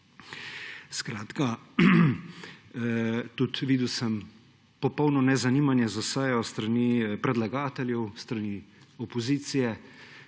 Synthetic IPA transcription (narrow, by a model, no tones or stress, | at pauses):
skɾaːt̪ka | t̪ut̪ʋiːd̪uwsəm | pɔpɔwnɔnɛzaniːmanjɛzosɛjɔst̪ɾaniːpɾɛd̪laɡaːt̪ɛljɛwst̪ɾani | ɔpɔziːt̪sijɛ